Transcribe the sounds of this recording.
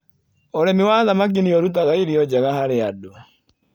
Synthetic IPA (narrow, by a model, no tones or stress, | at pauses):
ɔɾɛmɪwaðamak̬iniɔɾut̬aɣaiɾiɔd͡ʒaɣahaɾeadoa